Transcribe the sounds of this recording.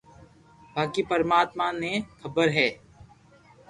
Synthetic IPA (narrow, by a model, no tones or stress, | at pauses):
bʱaːkipəɾmaːt̪manẽkʰəbəɾɦɛː